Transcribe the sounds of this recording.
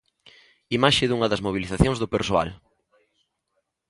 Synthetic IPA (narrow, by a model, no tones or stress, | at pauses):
imaʃɪðuŋɐðɐzmoβ̞iliθaθjõŋzðʊpeɾsoa̰l